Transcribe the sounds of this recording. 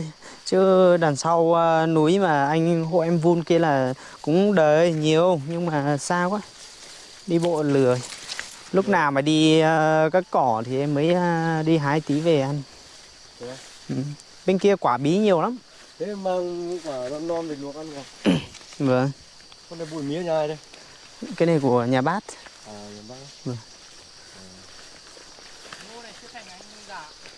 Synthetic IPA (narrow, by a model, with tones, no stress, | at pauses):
j | t͡ɕɨ˨˦ɗaː˨˩nsa˧wəː˧nu˨˦jmaː˨˩ʔa˧jŋ̟ɦo̰˧˨ʔɛ˧mvu˧nki˧əlaː˨˩ | kʊ̰˧˥ŋ͡mɗəː˨˩jɲi˨˩əwɲɨ˧ŋmaː˨˩saː˧kwaː˦ | ɗi˧ɓo̰˧˨lɨ˨˩əj | lʊ˦˥k͡p̚naː˨˩wmaː˨˩ɗi˧əː˧˩kaː˦˥kːɔ˧˩t̪ʰi˨˩ʔɛ˧mːəː˨˦jə˧ɗi˧ɦaː˧˩jt̪i˨˦ve˨˩ʔa˧jŋ̟˧ | ʔɨ˨˩m | ɓe˧nki˧əkwaː˧˩ɓi˨˦ɲi˨˩əwla˨˦m | me˨˦mːaː˧ŋ˧kwaː˧˩lɔ˧˨nɔ˧nve˨˩nlu˨˩ək̚ʔa˧nka˨˧˩ | və˨˩ŋ | kɔ˧˦nla˨˩ɓu˧˩˨jmi˨˦əɲaː˧˩˨ɾə˧˦ | ka˨˦jnə˧˩jku˧˩əɲaː˨˩ɓaː˦˥t̚ | aː˨˩ɲaː˨˩˦ | və˨˧˩ŋ˨˩˨ | o˧na˨˩jt͡ɕɨ˦˥k̪̚ʰa˨˩ŋʔa˧jŋɨ˧zaː˧˩